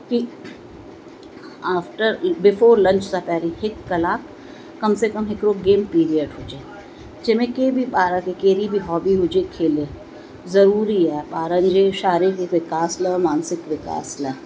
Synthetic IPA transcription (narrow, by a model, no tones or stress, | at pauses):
ki | aːfʈəɾbɪfoːɾlɐ̃ɲt͡ʃsapɛːɾihɪkːɐlaːkː | ɐmsekɐmɦɪkɾoɡẽːmpiːɾiəɖɦoːd͡ʒeː | d͡ʒɪmẽkeːbʱibaːɾãkekeːɾibʱiɦɔːbiɦʊd͡ʒekʰeːle | zɐɾuːɾiɛːbaːɾə̃nd͡ʒeʃaːɾikekʋɪkaːsləmaːnsɪkʋɪka̰ːslə